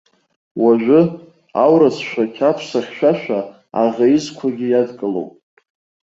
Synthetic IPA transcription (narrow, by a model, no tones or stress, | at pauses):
waʒᶣʷʊ | awɾasʃʷᶣakʲʰapʰsaχʲʃʷᶣaʃᶣʷa | a̰ʁʲajɪzkʷʰaɡʲɪjadkʼɨlo̰wpʼ